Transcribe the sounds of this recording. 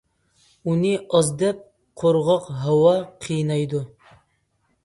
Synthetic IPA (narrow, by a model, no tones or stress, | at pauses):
unɨɑzd̪ɛp̚ | qʰoɾʁɑqɦɑwɑqʰijnɑjd̪u